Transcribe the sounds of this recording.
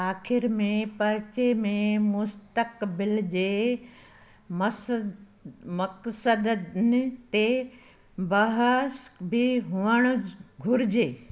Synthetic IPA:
aːxɪɾmẽpɐɾt͡ɕemẽmʊst̪əkbɪld͡ʑeː | mɐksəd̪nɪt̪e | bɐɦəsbɪɦʊʋəɽ̃ɡʱʊɾɪd͡ʑeː

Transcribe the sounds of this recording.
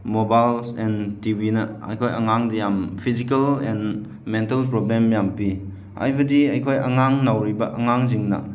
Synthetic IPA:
mobajlsɛntibinɐɐ̰jkʰojɐŋaŋdɐjampʰizikɐlɛn | mentɐlpɾoblemjampi | a̰jbɐdiɐjkʰojʔɐŋaŋnawɾibɐʔɐŋaŋziŋnɐ̰

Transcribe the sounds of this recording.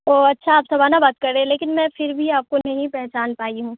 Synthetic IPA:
oːɐtːʃʰaːpsɐbʱaːnabaːt̪̚kɐɾẽːleːkɪnmɛ̃fɪɾbʱiaːp̚konɐɦĩpɛɦt͡ʃaːnpaːiɦũː

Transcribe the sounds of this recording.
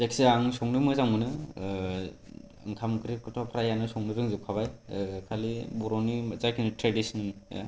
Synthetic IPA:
zakʰi̥seaŋsɔŋnɯmɯzaŋɯnɯ | ɯŋkʰamkɯɾikɯtʰɔpʰɾajanɯsɔŋnɯbɯŋzɯp̚kʰaβajkʰalibɔɾɔnizajkʰinitɾedisnɯn̰

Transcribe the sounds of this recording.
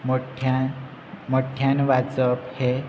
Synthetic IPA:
moʈʰa | moʈʰjanʋat͡səphe

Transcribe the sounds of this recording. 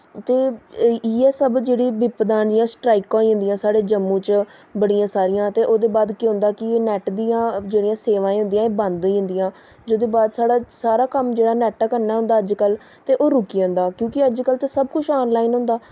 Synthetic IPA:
t̪eː | eːsəbd͡ʒeːɽiːbɪpd̪ãːnd͡ʒijãːsʈɾaːikãːĩːɦʊnd̪ijãːsaːɽeːd͡ʒəmːũːt͡ʃbəɽijãːsaːɾijãːt̪eːʔoːd̪eːbaːd̪kiɦʊ̃nd̪aːkɪnɛːʈd̪iːãːd͡ʒeːɽijãːseːʋãːĩːɦʊ̃nd̪ijãːeːbãnd̪õiɦʊ̃nd̪ijãː | d͡ʒoːd̪eːbaːd̪saːɽaːsaːɾaːkəmd͡ʒeːɽaːnɛːʈaːkəɾnaːɦʊ̃nd̪aːəd͡ʒkəl | t̪eːʔoːɾʊkiːõːnd̪aːkjõːkɪəd͡ʒkəlt̪aːsəbkʊt͡ʃʰɔːnlaːiːnɦʊ̃nd̪aː

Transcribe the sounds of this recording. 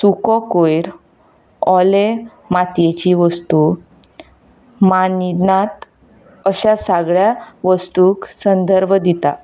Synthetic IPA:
sukɔkojɾ | ɔle | mat̪jet͡ɕiʋəst̪u | manid̪nat̪ | əɕasaɡɭjaʋəst̪uksənd̪əɾbʱd̪it̪a

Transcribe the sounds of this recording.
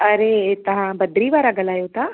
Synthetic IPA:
ɐɾet̪ɐɦãbɐd̪ɾiʋaːɾaːɡəlaːjot̪a

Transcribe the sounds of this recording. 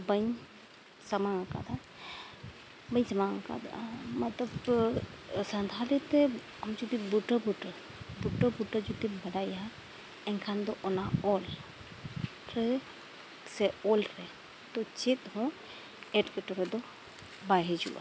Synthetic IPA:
bəɲ | sɐmaŋaka̰d̪a | bəɲsɐmaŋaka̰d̪a̰mɐt̪ɐb | sɐ̃nd̪ʱalit̪ɛ | ɐmd͡ʒud̪ibuʈəbuʈəɾ | buʈəbuʈəd͡ʒut̪ibɐɽajɦa | ɛŋkʰand̪ɔʔɔnaɔl | ɾɛ | sɛɔlɾɛ | t̪ɔt͡ʃet̪̚ɦɔ̃ | ɛʈkɛʈɔɾɛd̪ɔ | baɦɛd͡ʒṵʔa̰

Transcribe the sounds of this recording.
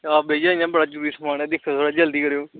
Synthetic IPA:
aːbeːd͡ʒaãːbəɽaːd͡ʒəɾuːɾiːsəmaːɽɛːd̪ɪkʰːãsʰoːɽaːd͡ʒəld̪iːkəɾeːoː

